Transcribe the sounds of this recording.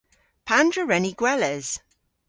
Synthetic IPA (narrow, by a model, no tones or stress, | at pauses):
pʰandɹəɹɛniɡ̥wɛlɛz̥